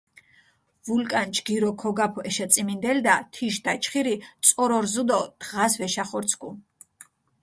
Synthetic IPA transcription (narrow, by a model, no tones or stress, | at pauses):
vulkʼant͡ʃɡiɾɔkʰɔɡapʰɔɛʃɛt̪sʼimind̪ɛld̪at̪ʰiʃd̪at͡ʃʰʼχiɾit̪sʼɔɾɔɾzud̪ɔd̪̥ʁasvɛʃaχɔɾt̪sʰkʼu